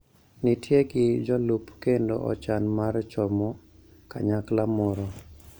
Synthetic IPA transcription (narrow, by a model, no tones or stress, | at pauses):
nitjeɡɪd͡ʒɔlupkendo̰ʔɔ̰t͡ʃanmart͡ʃɔmɔ | ka̰ɲaklamɔɾɔ